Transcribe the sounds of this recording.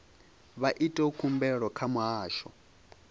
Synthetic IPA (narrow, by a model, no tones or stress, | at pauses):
βaʔitʼɛukʰumbɛɺɔkʰamuɦaːʃɔ̰